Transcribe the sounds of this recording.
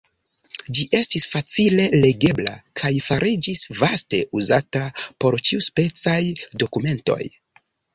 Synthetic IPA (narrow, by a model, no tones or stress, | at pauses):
d͡ʒiʔe̞stisfat͡sile̞le̞ɡe̞bla̰kʰajfaɾʔid͡ʒisvaste̞ʔuzatapo̞ɾt͡ʃiuspe̞t͡sajdo̞kume̞nto̞̰j